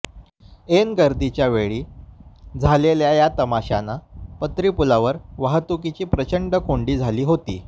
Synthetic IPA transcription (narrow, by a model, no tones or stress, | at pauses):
enɡəɾd̪it͡ɕjaʋeɭiː | d͡zʱaleljajat̪əmaɕanapət̪ɾipulaʋəɾʋaɦət̪ukit͡ɕiːpɾət͡ɕəɳɖəkʰoɳɖiːd͡zʱaliːɦot̪ḭː